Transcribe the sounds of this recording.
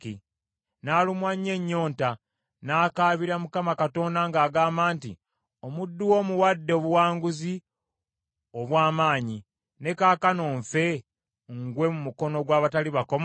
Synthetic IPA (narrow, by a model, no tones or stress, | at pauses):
ki | naːlumwaɲːe̞ɲːo̞ːnta | naːkaːβiɾamukamakato̞ːndaŋɡaːɡaːmbaːntḭ | o̞mudːuwo̞ːmuwadːeβuwaːŋɡuzi | oβwaːmaːɲi | ne̞kaːkanoːɱfe̞ | ŋɡwe̞mumuko̞no̞ɡwaːβataliβako̞m